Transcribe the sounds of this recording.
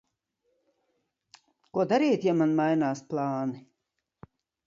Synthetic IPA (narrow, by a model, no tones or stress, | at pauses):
kuɔd̪aɾiːt̪jamanmajnaːsplˠɑːni